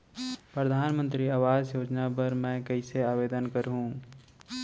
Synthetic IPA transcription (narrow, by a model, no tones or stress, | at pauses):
pɾəd̪ʱaːnmənt̪ɾiaːʋaːd͡ʒjoːd͡ʒnapəɾmɛ̃kəɪseaːbeːd̪ənkəɾɦũ